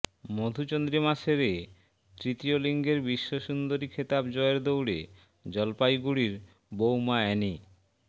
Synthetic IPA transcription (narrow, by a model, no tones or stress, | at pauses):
mod̪ʱut͡ɕond̪ɾimaʃeɾe | t̪ɾit̪ioliŋɡeɾbiʃːoʃund̪oɾikʰet̪abd͡ʑɔeɾd̪owɽḛ | d͡ʑɔlpajɡuɽiɾ | bowmaɛni